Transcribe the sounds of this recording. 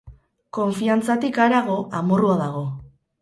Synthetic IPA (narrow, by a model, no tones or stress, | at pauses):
ko̞ɱfiant͡sat̪ikaɾaɣ̞o̞ʔamoruaðaɣ̞o̞